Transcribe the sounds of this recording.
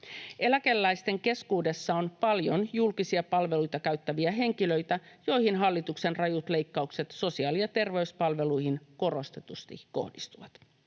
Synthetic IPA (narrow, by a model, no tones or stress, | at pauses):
e̞lækelːæjst̪e̞ŋke̞skuːde̞sːɑonpɑljonjulkisiɑpɑlʋe̞lujt̪ɑkæɥt̪ːæʋiæɦe̞ŋkilø̞jt̪æjo̞jhinɦɑlːit̪ukse̞nrɑjut̪le̞jkːɑukse̞t̪so̞siɑːliɑt̪e̞rʋe̞yspɑlʋe̞lujhinko̞ro̞st̪e̞t̪ust̪ḭko̞̰hdist̪uʋɑt̪